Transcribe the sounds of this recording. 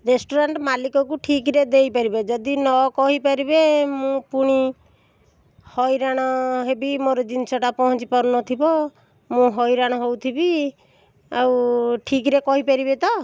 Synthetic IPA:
ɾesʈoɾaɳʈmalikɔkuʈʰikɾed̪ejpaɾibed͡ʒɔd̪inɔkɔɦipaɾibemũpuɽ̃i | hɔjɾaɽ̃ɔɦebimoɾɔd͡ʒinsɔʈapɔɦɔ̃t͡ʃipɔɾunɔt̪ʰibɔ | mũɦɔjɾaɽ̃ɔɦowt̪ʰibi | awʈʰik̬ɾekɔɦipaɾibet̪ɔ

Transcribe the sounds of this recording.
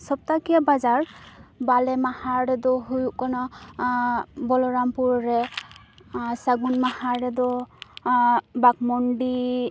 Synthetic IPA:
sɔb̚takiabazaɹbalɛmahaɹɾɛdɔɦujukɔnɔ | bɔlɔɹampuɹɹɛ | saɡunmahaɹɾɛd̪ɔ | bak̚mɔndi

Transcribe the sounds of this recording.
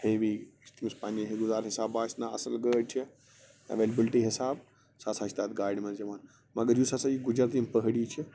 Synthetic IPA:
heːʋit̪ʰimispaːniɦeɡʊzaːɾɦɪsaːbaːsnaɐ̰sɐlɡəːʈt͡ʃʰi | ɐ̰ʋeːlɐbilʈiɦɪsaːb | saːsaːt͡ʃʰt̪aːt̪ɡaːiɖmɐɾd͡ʒɐmaːn | mɐɡɐɾjusaːsajiɡʊd͡ʒɾat̪impəɦɽit͡ʃʰi

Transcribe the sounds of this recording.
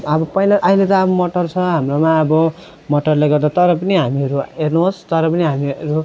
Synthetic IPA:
ʌbʌpʌilaʔajlet̪aːbʌmʌʈʌrt͡sʰʌɦamromaʌbʌ | mʌʈʌrlaɡʌrd̪at̪ʌɾʌpʌniɦamiʌɾuernuɦost̪ʌɾʌpʌniɦamiʌɾu

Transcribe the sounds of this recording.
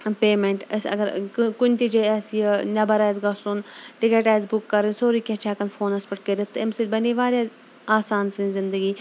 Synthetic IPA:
peːmeɳʈɐ̰sɐ̰ɡɐɾkʊnʲt̪id͡ʒeɐsjənɐbɐɾaːjzɡɐsunʈɪkeʈaːzbʊkːɐɾinsoːɾikʲẽt͡ʃʰaːkɐnfoːnɐspɐʈ̚kəɾit̪ːɨɪmsilʲbɐniʋaːɾʲjaːz | aːsaːnsɨnzɪnd̪əɡiː

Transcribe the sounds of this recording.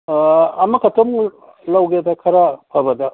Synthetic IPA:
ɐmɐkʰɐtom | lawɡedɐkʰɐɾapʰɐbɐdɐ

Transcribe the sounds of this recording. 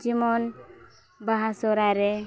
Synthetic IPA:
d͡ʒimɔn | baɦasɔɾaɾe

